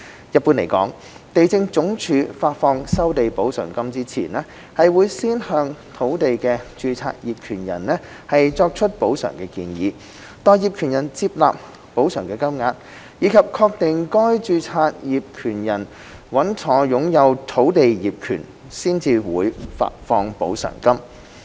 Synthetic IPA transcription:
jɐ˨t̚puː˧nle˨˩jkɔ̰ː˨˥ŋ | t̪e˨jt͡sɪ˧ŋt͡sʊ˨˥ŋt͡ʃʰyː˨˧faː˧t̚fɔː˧ŋsɐ˥wt̪e˨jpo˨˥wsœ̰ː˨˩ŋkɐ˥mt͡siː˥t͡sʰḭː˨˩nɛː˥ | hɐ˨jwuː˨˥jsiː˥nhœː˧ŋt̪ʰo˨˥wt̪e˨jkɛ˧t͡ʃyː˧t͡sʰa̰ː˧t̚jiː˨p̚kʰyː˨˩njɐ̰˨˩nlɛ˥ | hɐ˨jt͡sɔː˧k̚t͡ʃʰɵ˥t̚po˨˥wsœ̰ː˨˩ŋkɛ˧kḭː˧njḭː˨˧ | t̪ɔː˨˧jiː˨p̚kʰy˨˩njɐ˨˩nt͡siː˧p̚la̰ː˨p̚ | po˨˥wsœː˨˩ŋkɛː˧kɐ˥mŋaː˧t̚ | jiː˨˧˥kʰɐ˨p̚kʰɔː˧k̚t̪e˨ŋkɔː˥jt͡ʃyː˧t͡sʰaː˧t̚jiː˨p̚kʰyː˨˩njɐ˨˩n | wɐ˨˥nt͡sʰɔː˨˥jʊ˨˥ŋjɐ˨˧wt̪ʰo˨˥wt̪e˨jjiː˨p̚kʰy̰ː˨˩n | siː˥nt͡siː˧wuː˨˧jfa̰ː˧t̚fɔː˧ŋpo̰˨˥wsœ̰ː˨˩ŋkɐ˥m

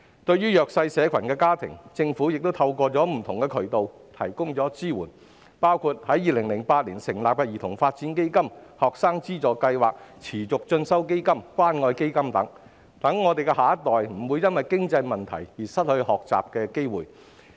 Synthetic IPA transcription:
t̪ɵ˧ɥyː˥jœː˨ksɐ˧jsɛː˨˧˥kʰɐ˨˩nkɛː˧kaː˥t̪ʰɪ̰˨˩ŋt͡sɪ˧ŋfuː˨˥jɪ˨k̚t̪o˥wt̪ʰɐ˧wkʷɔː˧t͡sɔː˨˥m̩˨˩t̪ʰʊ˨˩ŋkɛ˧kʰɵ˨˩ɥt̪o˨w | t̪ʰɐ̰˨˩jkʊ˥ŋt͡sɔː˨˥t͡siː˥wuː˨˩n | paː˥wkʰu˧t̚hɐ˨˥jːiː˨lɪ˨˩ŋlɪ˨˩ŋpaː˧t̚liː˨˩nsɪ˨˩ŋlaː˨p̚pɐ˧jiː˨˩t̪ʰʊ˨˩ŋfaː˧t̚t͡si˨˥nke˥jkɐ˥mhɔː˨˩k̚saː˥ŋt͡siː˥t͡sɔː˨˧kɐ˧jwaː˨k̚t͡sʰiː˨˩t͡sʊ˨k̚t͡ʃɵ˧nsɐ˥wk̬e˥jkɐ˥mkʷwaː˥nŋɔː˧jke˥jkɐ˥mt̪ɐ˨˥ŋ | t̪ɐ˨˥ŋːɔː˨˧t̪e˨jkɛ˧haː˨˥ɐ˥t̪ɔː˨jm̩˨˩wuː˨˧jɐ˥nwɐ˨˩jkɪ˥ŋt͡sɐ˧jmɐ˨nt̪ʰɐ̰˨˩jjiː˨˩sɐ˥t̚hɵ˧ɥhɔː˨k̚t͡sa̰ː˨p̚kɛː˧ke˥jwuː˨˩j

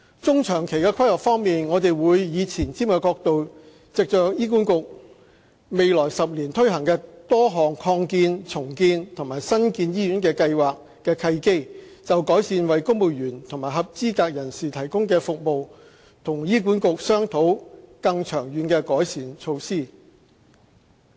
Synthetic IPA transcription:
t͡sʊ˥ŋt͡ʃʰœː˨˩ŋkʰe˨˩jkɛ˧kʰɐ˥jlɐ˨˩k̚fɔː˥ŋmiː˨nŋɔː˨˧t̪e˨jwuː˨˧jjiː˨˧t͡sʰiː˨˩nt͡siː˥mkɛ˧kɔː˧k̚t̪o˨w | t͡sɪ˨k̚t͡ʃœː˨k̚jiː˥kuː˨˥nkʊ˨k̚ | me˨˧jlɔː˨˩jsɐ˨p̚liː˨˩nt̪ʰɵ˥ɥhɐ˨˩ŋkɛː˧t̪ɔː˥ɦɔː˨ŋkʰɔː˧ŋkiː˧nt͡sʰʊ˨˩ŋkiː˧nt̪ʰʊ˨˩ŋmaː˨˩jsɐ˥nkiː˧njiː˥jyː˨˥nkɛː˧kɐ˧jwaː˨k | kːɛː˧kʰɐ˧jke˥t͡sɐ˨wkɔː˨˥jsiː˧nwɐ˨jkʊ˥ŋmo˨˩wjyː˨˩nt̪ʰʊ˨˩ŋmaː˨˩jɦɐ˨p̚t͡siː˥kaː˧k̚jɐ˨˩nsiː˨t̪ʰɐ˨˩jkʊ˥ŋkɛː˧fʊ˨k̚mo˨˧w | t̪ʰʊ˨˩ŋjiː˥k̬uː˨˥nkʊ˨k̚sœː˥ŋt̪ʰo˨˥wkɐ˧ŋt͡ʃʰœː˨˩ŋjyː˨˧nkɛː˧kɔː˨˥jsiː˧nt͡ʃʰo˧wsiː˥

